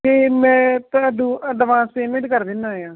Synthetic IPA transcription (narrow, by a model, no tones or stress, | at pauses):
eːmɛ̃ːt̪əd̪ũːəɖ̪əʋãːseːmeʈkəɾd̪ɪnːãːjãː